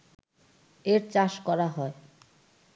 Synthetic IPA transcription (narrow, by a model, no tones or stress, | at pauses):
eɾt͡ɕaʃkɔɾaɦɔe